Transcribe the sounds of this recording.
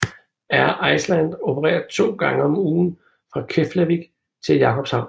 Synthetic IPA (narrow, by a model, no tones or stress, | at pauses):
æɐʔɑ̈ɪslænd̥o̝pʰəʁɛ̰ːɐðˠt͡sʰo̝̰ːɡ̥ɑ̈ŋəɒ̽muːn̩ | fʁɑ̈kʰeflæʋiɡ̥ | t͡sʰe̝ljɑ̈kʰɒ̽b̥shɑ̈ʊ̰n